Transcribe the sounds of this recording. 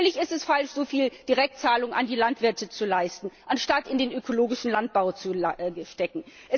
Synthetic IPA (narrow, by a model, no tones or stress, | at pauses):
lɪçɪstɛsfalʃz̥oːfiːld̥iʁɛk̚tt͡saːlʊŋa̰ndiːlantv̥ɪɐtət͡sulaɪstn̩ʔanʃtatɪndeːnʔøkoloːɡɪʃn̩lant̚b̥aʊt͡suʃtɛkn̩ʔɛ